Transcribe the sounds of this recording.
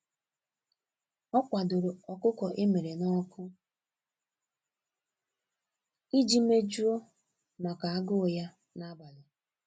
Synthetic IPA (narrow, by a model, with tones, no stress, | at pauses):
ɔ˦kʷa˨dʊ˨ɾʊ˨ɔ˨kʊ˦kɔ˨ʔe˦me˨ɾe˨nɔ˦kʊ˦ | i˦d͡ʒi˦me˦d͡ʒu˦o˦ | ma˨ka˨a˦ɡʊ˦˨ja˦ | na˦ba˨lʊ˨